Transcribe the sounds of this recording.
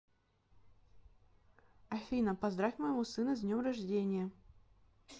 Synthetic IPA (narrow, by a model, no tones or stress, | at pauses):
ɐfʲinəpɐzd̪ɾafʲməjɪmusɨnɐzʲnʲomɾɐʐdʲenʲɪjə